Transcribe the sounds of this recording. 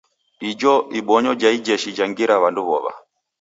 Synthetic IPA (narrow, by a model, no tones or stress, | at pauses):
id͡ʒɔʔiɓɔɲɔd͡ʒaid͡ʒɛʃid͡ʒaŋɡiɾaβanduβɔ̰βa̰